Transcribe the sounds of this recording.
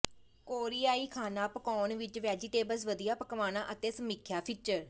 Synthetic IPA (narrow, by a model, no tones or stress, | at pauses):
koːɾiːaːiːkʰaːnaːpəkɔːnʋɪt͡ʃʋɛːd͡ʒiʈeːbəsʋəd̪ɪjaːpəkʋaːnãːʔət̪eːsəmiːkʰjaːpʰiːt͡ʃəɾ